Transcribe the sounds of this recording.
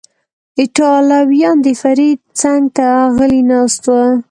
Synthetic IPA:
ɪʈɑlɑwjɑnd̪əfaɾid̪̚t͡saŋɡt̪aːɣəlinɑst̪wa

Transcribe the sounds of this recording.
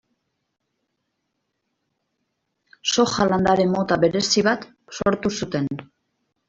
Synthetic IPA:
so̞xaland̪aɾe̞mːo̞t̪aβe̞ɾe̞siβat̪ | so̞ɾt̪usut̪e̞n

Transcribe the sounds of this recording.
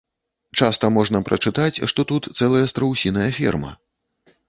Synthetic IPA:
t͡ʂast̪ɐmɔʐn̪ɐpɾʔɐ̰t͡ʂɨt̪at͡sʲʂt̪ɔt̪ut̪t̪sɛlˠɐjɐst̪ɾɐwsʲinɐjɐfʲḭrmɐ̰

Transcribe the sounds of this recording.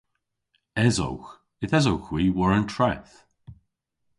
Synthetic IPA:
ɛzo̰wx | ɪθɛzowxwiːwəɹəntʰɹɛθ

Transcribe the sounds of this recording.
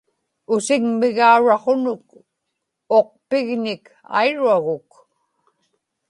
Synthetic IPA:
ʊsɪŋmɪɣauɻɑχonʊk̚ | oq̚pɪɣnɪk | a̰jɻuaɣʊk

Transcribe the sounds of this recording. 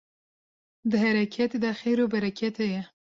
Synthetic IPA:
d̪əɦaɾakʰjat̪d̪əaxeɾobaɾakjat̪aje

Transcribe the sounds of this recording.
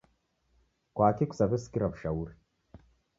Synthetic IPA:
kʷaːtikʷsabɨskʲiɾapʃawuɾ

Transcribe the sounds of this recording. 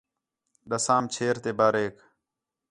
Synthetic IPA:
ɗəsaːmt͡ʃʰeːɾt̪eːbaːɾeːk

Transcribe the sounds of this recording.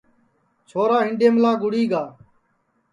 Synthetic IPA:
t͡ʃʰoːɾaːɦɪɳɖeːmlaːɡʊɽiːɡaː

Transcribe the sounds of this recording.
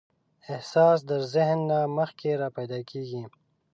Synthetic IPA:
ɪhsɑːs̬d̪əɾzɪɦnːaməxkeɾaːpajd̪ɑːkeːɡi

